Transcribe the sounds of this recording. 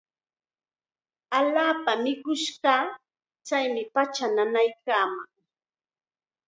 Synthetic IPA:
aʎaːpamɪkʊʃɢɑː | t͡ʃajmɪpat͡ʃananajkaːmaŋ

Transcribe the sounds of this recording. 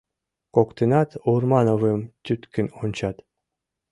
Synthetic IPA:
kokt̪enɑt̪urmɑnovəmt̪ʲyt̪kɘ̆nonʲt͡ɕɑt̪

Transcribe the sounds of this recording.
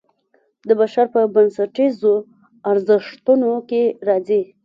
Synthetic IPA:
d̪əbaʃaɾpəbansaʈizo | aɾzɪʂt̪unokeɾɑzi

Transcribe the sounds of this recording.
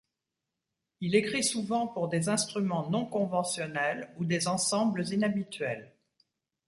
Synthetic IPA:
ilekχisuvɑ̃puʁd̪ezɛ̃st̪χymɑ̃nɔ̃kɔ̃vɑ̃sjɔnɛlud̪ezɑ̃sɑ̃bləzinabit̪ɥɛl

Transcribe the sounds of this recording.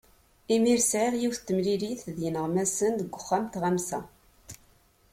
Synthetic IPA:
imiɾsʕɪʁjiwθt̪ːəmliɾiθðjənəʁmæsənd̪əɡʷːʊχːæmt̪ʁæmsæ

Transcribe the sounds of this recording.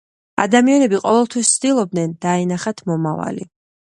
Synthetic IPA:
a̰d̪amianɛbiqʼɔvɛlˠt̪ʰwist̪sʰd̪ilˠɔb̚d̪nɛnd̪aɛnaχat̪ʰmɔmava̰lḭ

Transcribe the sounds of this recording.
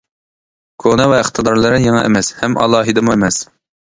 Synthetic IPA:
kʰonɛvɛəχt̪ʰɨd̪ɑɾlˠɨɾɨjeŋɑ̰ʔḛmɛshɛmʔɑ̰lˠɑːɦɨd̪ɨmuemɛs

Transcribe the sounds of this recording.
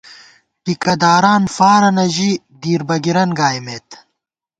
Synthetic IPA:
ʈikɐd̪aːɾaːnfaːɾɐnɐʑi | d̪iːɾbɐɡiɾɐnɡaːjmeːt̪

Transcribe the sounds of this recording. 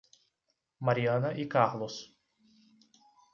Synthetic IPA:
maɾiɐ̃nɐʔikaɾlos

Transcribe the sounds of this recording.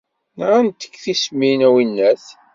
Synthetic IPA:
nʁant̪ə̥kːθisminæwinːæθ

